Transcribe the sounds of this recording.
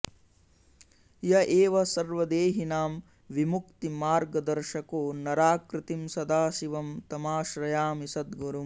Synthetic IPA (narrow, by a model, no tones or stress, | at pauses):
jɐʔeːʋɐsɐɾʋɐd̪eːɦinaːm | ʋimukt̪imaːɾɡɐd̪ɐɾʃɐkoːnɐɾaːkɾɪt̪imsɐd̪aːʃiʋɐmt̪ɐmaːʃɾɐjaːmisɐd̪ɡuɾum